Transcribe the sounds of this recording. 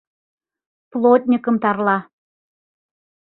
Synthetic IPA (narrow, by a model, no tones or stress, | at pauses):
plˠot̪ʲnʲikə̆mt̪ɑrlˠɑ